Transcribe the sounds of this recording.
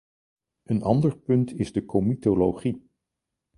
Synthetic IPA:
ənɑndəɹpɵntʰɪzdəkʰomitolowχi

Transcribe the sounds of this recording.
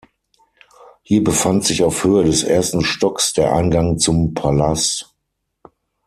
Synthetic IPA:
hiːɐbəfantz̥ɪçaʊfhøːədɛsʔḛːɐstn̩ʃtɔksd̥eːɐʔa̰ɪnɡaŋt͡sʊmpʰalast

